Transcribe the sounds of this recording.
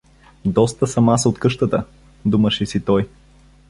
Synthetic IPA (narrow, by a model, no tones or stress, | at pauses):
d̪ɔst̪əsɐmasot̪kɤʃt̪ət̪ə | d̪uməʃɛsit̪ɔj